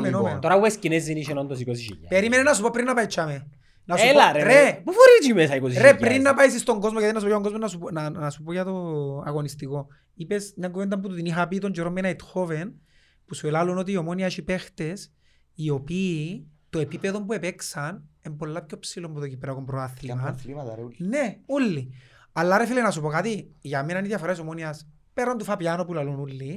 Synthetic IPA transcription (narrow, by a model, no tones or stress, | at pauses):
menomenot̪oɾaweskineziniʃenont̪os̬ikos̬iʃḭjapeɾimenenas̬upopɾinːapajt͡ʃːame | nasulaɾerepufoɾit͡ʃimesaikosiɾʃepːɾɾinːapajsist̪oŋɡozmokeðinːas̬upojaoŋɡozmonasupnanasupojat̪oa̰ɣonist̪iko | ipesɲaŋɡuvend̪amp̬ut̪ut̪iniɦap̬it̪ond͡ʒoɾomːenajt̪xoven | pusuelalunot̪̬iːo̞moniaʃipext̪es | io̞pit̪oepipeðo̞mbuepeksane̞mbo̞lːapcopsilombut̪ocipɾakompɾoaθlimanneulːi | alːaɾefilenasupo̞kat̪iʝamenaniðjafoɾais̬omonias | peɾand̪ufapjanopulalunulːi